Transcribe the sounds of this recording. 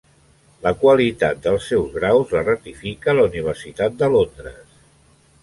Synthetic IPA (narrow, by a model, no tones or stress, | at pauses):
ləkwəlit̪at̪̚d̪əlˠsːɛwzɣɾawzlərət̪ifikəːləuniβ̞əɾsit̪at̪̚d̪əlond̪ɾəs